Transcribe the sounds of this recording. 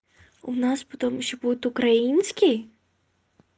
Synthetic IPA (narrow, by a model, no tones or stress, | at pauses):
unaspɔt̪ɔmuʃʲɔbut̪ukɾajinsʲkʲi